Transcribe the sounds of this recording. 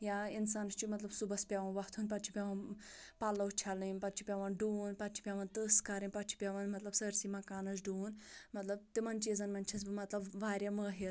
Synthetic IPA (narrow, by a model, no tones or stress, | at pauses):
jainsaːnst͡ʃimɐt̪lɐbsubɐspʲaʋɐnʋɐht̪ʰuːnʲpat̪t͡ʃʰi̥pʲaʋɐnpalːɐt͡ʃʰalɨnʲpat̪t͡ʃʰipʲaʋɐnɖuːnpat̪t͡ʃʰi̥pʲaʋɐnt̪ɨskaɾinʲpat̪̚t͡ʃʰi̥pʲaʋɐnmɐt̪lɐb̥səɾsimɐkaːnɐs̬ɖuːnmɐt̪lɐb̚t̪ɨmɐnʲt͡ʃizɐnmɐnʲt͡ʃʰɐsbɨmɐt̪lɐbʋaːɾʲjɐməːɦe